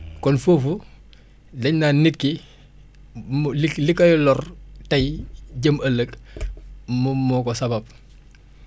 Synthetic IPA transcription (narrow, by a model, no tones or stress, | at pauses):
kɔnfoːfu | dɐɲnaːnit̚ki | lilikɐjɔlɔrtɐjɟəmɐlːək | mumɔkɔsɐbab̚